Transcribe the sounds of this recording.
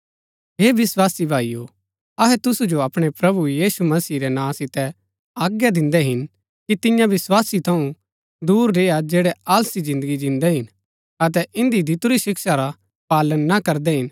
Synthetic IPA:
ɦeːʋɪswaːsibʱaːijo | ɐɦɛt̪ʊsud͡ʒoɐpɽ̃epɾɐbujiːsumɐsiːɾɛnãːsɪt̪ɛ | aːɡjad̪ɪ̃nd̪ɛɦɪn | kit̪ɪjãʋɪswaːsit̪ʰɐũ | d̪uːɾɾeːjad͡ʒeːɽɛaːlsizɪ̃nd̪əɡid͡ʒɪ̃nd̪ɛɦɪn | ɐt̪̬ɛʔɪ̃nd̪id̪ʱɪt̪uɾiʃɪkʃaɾa | paːlənːakɐɾd̪ɛɦɪn

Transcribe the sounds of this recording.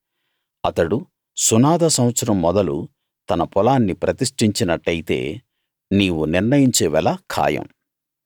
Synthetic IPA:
ɐt̪ɐɽu | sunaːd̪ɐsɐmʋɐt̪sɐɾɐmːɔd̪ɐlṵ | t̪ɐnɐpɔlaːnːipɾɐt̪iʂʈiɲt͡ʃinɐʈːɐjit̪e̞̰ː | niːwuniɾnɐjiɲt͡ʃeːʋɛlɐkʰa̰ːjɐ̰m

